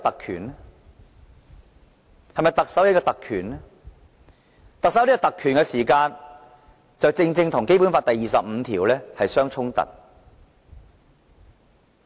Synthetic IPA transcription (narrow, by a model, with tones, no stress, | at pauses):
t̪ɐ˨kʰy̰ː˨˩n˥ | hɐ˨jmɐ˨jt̪ɐ˨k̚sɐ˨˥wjɐ˥t̚kɔː˧t̪ɐ˨kʰyː˨˩n˥ | t̪ɐ˨k̚sɐ˨˥wliː˥kɔː˥˧t̪ɐ˨kʰːyː˨˩nkɛ˧siː˨˩kaː˧n | t͡sɐ˨wt͡sɪ˧ŋt͡sɪ˧ŋt̪ʰʊ˨˩ŋke˥jpu˨˥nfaː˧t̪ɐ˨jːiː˨sɐ˨p̚m̩ː˨˧t̪ʰiː˨˩wlɛː˥hɐ˨jsœː˥ŋt͡sʰʊ˥ŋt̪ɐ̰˨t̚